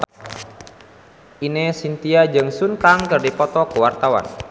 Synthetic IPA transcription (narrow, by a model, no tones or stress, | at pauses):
ʔinesint̪iad͡ʒɨŋsunkaŋkərdipɔt̪ɔkəwart̪awa̰n